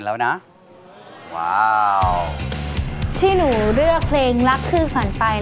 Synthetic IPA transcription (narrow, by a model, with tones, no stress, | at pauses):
nlɛː˦˥wna˦˥ | wa˦˥˩ | t̪ʰiː˥˩nuː˩˦ɾɯ˥˩əpʰleː˧ŋla˦˥kʰːɯː˥˩fa˩˦npa˧j